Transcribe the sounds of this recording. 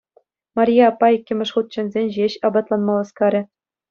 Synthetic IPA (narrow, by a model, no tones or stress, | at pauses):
mɑrʲijɑɑpːɑikʲːɘ̆mʲɘ̆ʂχut̪̚t͡ɕɘ̆nʲzʲenʲʑeɕɑbɑt̪lˠɑnmɑlˠɑskɑɾʲɘ̆